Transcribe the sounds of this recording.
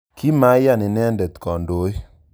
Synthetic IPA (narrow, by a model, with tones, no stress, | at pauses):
ki˦ma˦ja˦˨nɪ˨nɛ˦ndɛ˨t̪kɔ˨ndo˨˦j